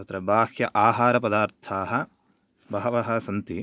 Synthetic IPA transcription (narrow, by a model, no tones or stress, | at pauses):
ɐt̪ɾɐbaːkjɐʔaːɦaːɾɐpɐd̪aːɾt̪ʰaːɦɐ | bɐɦɐʋɐɦɐsɐnt̪i